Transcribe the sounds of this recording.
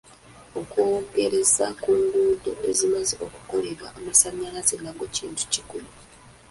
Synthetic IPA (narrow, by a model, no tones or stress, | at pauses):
o̞kwoːɡe̞ɾe̞zakuŋɡuːdo̞ʔezimazeʔoku̥ko̞leɾaʔːmasaɲːalazelːaŋɡociːntu̥cikulu